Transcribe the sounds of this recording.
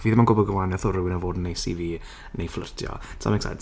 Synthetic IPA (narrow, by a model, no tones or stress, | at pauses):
viːðəmanɡʊbɔɡəlˠanɛθɔɾʊwɪnəvoːdnejsḭːviː | nejflˠə̰rtʰjɔ̰tʰa̰mɛksɛ̰nt